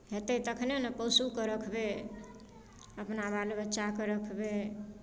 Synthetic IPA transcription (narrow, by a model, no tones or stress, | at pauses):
ɦet̪et̪əkʰnenəpəwsukəɾəkʰbe | əpnabalebətːʃakəɾəkʰbe